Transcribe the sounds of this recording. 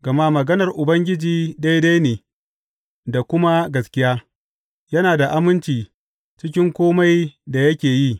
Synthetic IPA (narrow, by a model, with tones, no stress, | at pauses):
ɡ̥ɐ˨ma˦mɐ˨ɡɐ˦nɐ˨rʔʊ˨bɐ˦ŋɡʲɪ˦d͡ʒiː˦da˦jda˦jneː˨ | da˨kʷʊ˦ma˦ɡɐ˨skʲɪ˦jaː˦ | jɐ˦naː˨da˨ʔa˦mɪ˦nt͡ʃiː˨ | t͡ʃɪ˦kʲɪ˦ŋkʷoː˦ma˦jda˨jɐ˦kʲeː˨ji˦˨